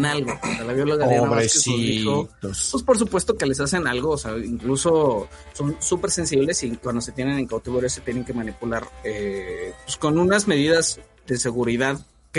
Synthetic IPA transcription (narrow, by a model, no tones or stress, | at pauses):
nalɣoalaβjoloɣajaβɾeskesuisopwespo̞ɾs̬upwe̞st̪o̞ke̞le̞s̬ase̞nalɣoːseaiŋkluso̞ | so̞nsupe̞ɾse̞nsiβle̞sikwand̪o̞se̞t̪je̞ne̞neŋkawt̪iβoɾjoset̪jene̞ŋke̞mãnipulaɾepesko̞nũnazme̞ðiðaz̥ | ðe̞se̞ɣuɾiðað | k